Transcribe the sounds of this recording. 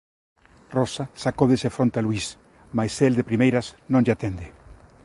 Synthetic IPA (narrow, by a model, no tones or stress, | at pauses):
rosasakoðesefɾont̪alwis | majseld̪epɾimejɾasnõŋʎat̪end̪ɪ